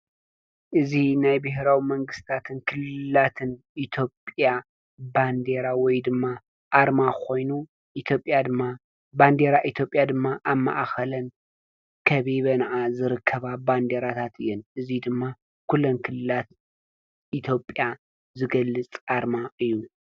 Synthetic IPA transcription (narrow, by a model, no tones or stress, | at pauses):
ʔɨzinajbɨɦɾawimɐŋɡɨst̪ʰat̪ʰɨnkʰɨlɨlat̪ʰɨnʔit̪ʰjo̞pʼja | band̪e̞ɾawɔjd̪ɨmːa | ʔaɾmakʰo̞jnu | ʔit̪ʰjo̞pʼjad̪ɨmːa | band̪e̞ɾaʔit̪ʰjo̞pʼjad̪ɨmːaʔamːa̰ʔxɐlɐn | kʰɐβiβɐnɐʔazɨɾɨkʰːɐβaband̪eɾat̪ʰat̪ʰɨ̰jːɛnʔɨzid̪ɨmːa | kʰulːonkʰɨlːɨlat̪ | ʔit̪ʰjo̞pʼja | zɨɡɐlːɨt͡sʼʔaɾmaʔɨjːu